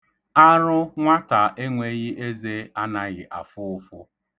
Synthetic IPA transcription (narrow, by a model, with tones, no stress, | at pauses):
a˦ɾʊ˦ŋʷa˦ta˨ʔe˦ŋʷe˦ɣɪ˦ʔe˦ze˦a˦na˦ɣɪ˨ʔa˨fʊ˦ʊ˦fʊ˦